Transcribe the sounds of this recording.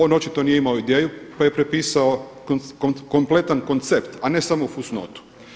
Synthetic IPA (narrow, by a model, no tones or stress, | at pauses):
ono̞t͡ʃit̪onijeimaoid̪eːjupajepɾepiːsaokkkomple̞t̪anko̞nt̪sept̪ane̞samofusno̰t̪u̥